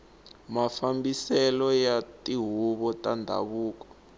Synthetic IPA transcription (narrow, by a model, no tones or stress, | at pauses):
mafambisɛlɔjatʼiɦuβɔtandʱa̰βuːkɔ̥